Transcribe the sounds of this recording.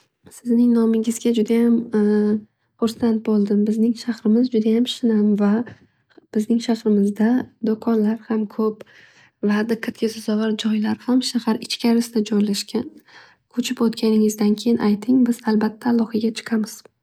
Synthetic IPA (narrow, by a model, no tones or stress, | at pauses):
sɪznɪŋnɒmɪɡɪzɡʲad͡ʒʊd̪ajam | χʊɾsant̪̚bolˠd̪ɪmbɪznɪŋʃahɾɪmɪzd͡ʒʊd̪ajamʃɪnanva | b̥ɪznɪŋʃaχɾɪmɪzd̪ad̪okʰɒnlaɾhamkʰɵp | vad̪ɪqʰːɑt̪kʲɪsʊzɒvɑɾd͡ʒɒjlaɾhamʃahaɾɪt͡ʃkʲʰaɾɪsɪd̪ad͡ʒɒjlaʃkʲʰan | kʰɵt͡ʃʰɪpot̪kʲʰanɪŋɪzd̪ankʲʰe̞jɪnʔajt̪ʰɪŋbɪz̥alˠbat̪ʰːaːlˠːɒhɨɡʲat͡ʃʰɨ̥qʰamɪz̥